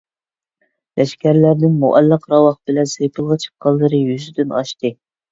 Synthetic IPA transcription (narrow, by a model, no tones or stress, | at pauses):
lɛʃkʲʰæɾlæɾnɪnmuʔɛlːɑqɾɑwɑχbɪlɛnsepʰɨlˠʁɑt͡ʃʰə̥p̚qʰɑlˠːɨɾɨjyzd̪ynɑ̰ʃt̪ɨ